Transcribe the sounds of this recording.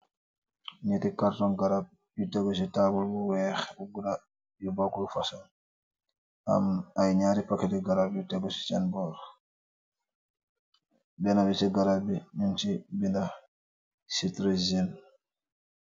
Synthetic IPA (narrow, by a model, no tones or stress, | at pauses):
ɲitikaɾtɔnɡaɾab̚ | jutɛɡɔs̬itabulbuwɛxuɡuda | jubakulfasa | ʔa̰majɲaːɾipakɛtɛɡaɾabjutɛɡɔsi̥t͡ʃanbɔɾ | bɛnabɛsɛɡaɾabinunt͡ʃibinda | sitɾezin